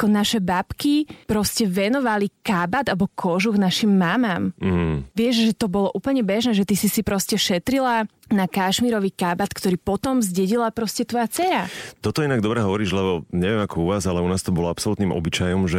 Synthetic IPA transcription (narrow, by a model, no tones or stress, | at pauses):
akɔnaʃɛbapkipɾɔscɛʋɛnɔʋalikabad̪alɛbɔkʰɔʒuɡnaʃimːamam̩ɦ̩ʋɪɛʒʒɛt̪ɔbɔlɔʔuːpl̩ɲɛbɛʒnɛːʒɛt̪isisipɾɔscɛʃɛt̪ɾilanakaʃmiɾɔʋikabat̪kt̪ɔɾiːpɔt̪ɔmzɟɛɟilapɾɔscɛt̪ʋɔjat͡sɛɾat̪ɔt̪ɔinaɡd̪ɔbɾɛɦɔʋɔɾiːʒlɛbɔɲɛʋɪɛmakɔuʋaːzalɛunaːst̪ɔbɔlɔapsɔlut̪niːmʔɔ̰bit͡ʃajɔmʒɛ